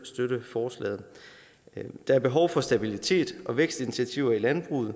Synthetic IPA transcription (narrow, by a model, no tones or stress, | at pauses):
sd̥øɾ̥əfɒːslɛ̰ːð̩ˠ | d̥ɑ̈æɐb̥e̝ɦɒʊfɒ̽sd̥æb̥ilit͡sʰe̝̰ːd̥ʔɒ̽ʋeɡ̥sd̥init͡sʰiæt͡sʰiʊ̰ɐilænb̥ʁṵːð̞̩ˠ